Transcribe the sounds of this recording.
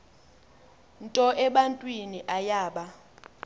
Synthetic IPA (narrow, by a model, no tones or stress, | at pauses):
ntʼɔʔɛɓantʼwiniʔajaːɓa